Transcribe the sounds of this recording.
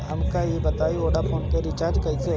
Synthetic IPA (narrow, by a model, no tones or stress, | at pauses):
ɦɐmkajebɐt̪aːioːɽapʰoːnpeɾɪt͡ʃaːɾd͡ʒkɐise